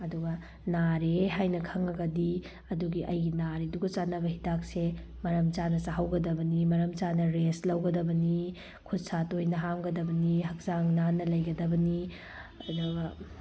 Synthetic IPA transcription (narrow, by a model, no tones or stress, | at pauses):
ɐduɡɐ | naɾeɦajnɐkʰɐŋɐɡɐdi | ɐduɡiʔɐjɡinaɾeduɡɐt͡ʃanːɐbɐhidak̚se | mɐɾɐmt͡ʃanɐsaɦɐwɡɐdɐbɐnimɐɾɐmt͡ʃanɐɾeslɐwɡɐdɐbɐni | kʰut̚satojnɐɦamɡɐdɐbɐniɦɐk̚zaŋnanːɐlɐjɡɐdɐbɐni | ɐduɡɐ